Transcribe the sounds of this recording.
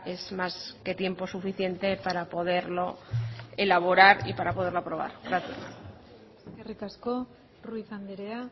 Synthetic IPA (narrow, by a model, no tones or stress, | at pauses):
e̞zmaske̞t̪je̞mpo̞sufiθje̞nt̪e̞paɾapo̞ð̞e̞ɾlo̞e̞laβ̞o̞ɾaɾḭpaɾapo̞ð̞eɾlopɾo̞β̞a̰ɾɣɾaθja̰s | kerikasko | ruiθand̪eɾea